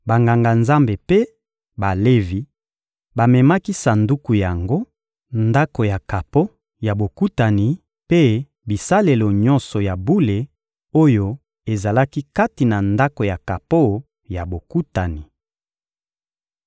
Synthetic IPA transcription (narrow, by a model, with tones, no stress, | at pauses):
ba˨ŋɡa˨ŋɡa˨nza˦mbe˨pe˦ | ba˨le˦vi˨˦ | ba˨mɛ˨ma˦ki˦sa˨ndu˦ku˨ja˨ŋɡo˦ | nda˦ko˨ja˨ka˨po˦ | ja˨bo˨ku˦ta˨ni˨ | pe˦ | bi˨sa˦le˨lo˨ɲɔ˦nsɔ˨ja˨bu˦le˨ | o˦jo˦ | e˨za˨la˦ki˦ka˦ti˨na˨nda˦ko˨ja˨ka˨po˦ | ja˨bo˨ku˦ta˨ni˨